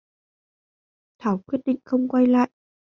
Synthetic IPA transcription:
t̪ʰaː˨˩˦wkwi˦˥ət̚ɗḭ˧˨ŋ̟xə˧wŋ͡mkwa˧jla̰ː˧˨jʔ

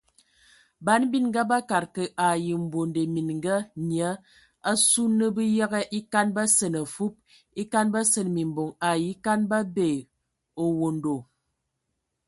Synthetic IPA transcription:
ba˨˦n˦bi˦nŋɡa˦ba˦ka˨ɾkə˨ʔa˨ji˨m̩˨bwo˨nde˨mi˨n˨ŋ˦ɡa˦njə˨˦ | a˦su˦nːə˦bi˦ja˦ɣɛ˦ʔi˦ka˦nba˦sə˨nə˨fu˦p̚ | i˦ka˦nba˦sə˨nmi˨m˨bo˨ŋa˨ji˦ka˦nba˦be˨ | o˨wo˨ndo˨

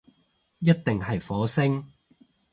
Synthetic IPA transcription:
jɐ˥t̚t̪ɪ˨ŋɦɐ˨jfɔː˨˥sɪ˥ŋ

